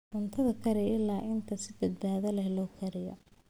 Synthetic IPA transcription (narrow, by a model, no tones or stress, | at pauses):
ʔʊnt̪ʰɐðɐkʰɐɾɪʔɪlːaːʔɪnt̪ʰɐsɪbɐd̪̚baːðɐlɛhlɔːkʰɐɾɪjɔ̰